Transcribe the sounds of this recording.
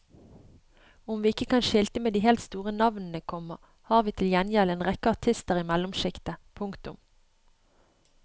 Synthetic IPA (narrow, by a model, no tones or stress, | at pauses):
ʊmʋiːɪkəkɑnʃɪlt̪əmeːd̪iːhɛːlt̪st̪uːʁənɑʋnn̩əkʰɔməʁ | hɑːʁʋiːt̪ʰɪljɛnjɛləeːnʁɛkəɑʁt̪ʰɪst̪əʁɪmɛlʊmʃɪkt̪əpʰʊŋkt̪ʊm